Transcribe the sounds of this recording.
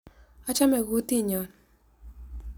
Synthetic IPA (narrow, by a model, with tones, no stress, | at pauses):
a˦t͡ʃa˦mɛ˨ɡo˦ti˦˨ɲɔ˨n